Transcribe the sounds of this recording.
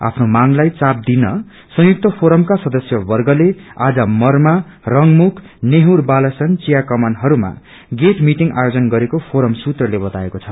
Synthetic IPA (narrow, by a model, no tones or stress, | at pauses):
a̰pʰnomaŋlajt͡sap̚d̪inʌ | sʌ̃juk̚t̪ʌpʰoɾʌmkasʌd̪ʌsjʌbʌrɡʌlead͡zʌmʌrma | rʌŋmukʰ | neɦurbalʌsʌnt͡sijakʌmanɦʌɾuma̰ | ɡeʈmiʈiŋɡʔa̰jod͡zʌnɡʌɾekopʰoɾʌmsut̪rʌlebʌt̪aekot͡sʰʌ